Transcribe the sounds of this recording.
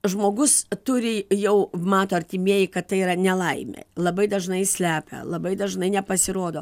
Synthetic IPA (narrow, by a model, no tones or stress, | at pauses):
ʒmoːɡʊst̪ʊɾʲɪjɛʊmɑːt̪oːɐɾʲt̪ʲɪmʲiɛjɪkɐt̪̚t̪ɐɪiːɾɐnʲɛlˠɐɪmʲɛ̰lˠɐbɐɪd̪ɐʒnɐɪsʲlʲæːpʲɛ̰lˠɐbɐɪd̪ɐʒnɐɪnʲɛpɐsʲɪɾoːd̪oː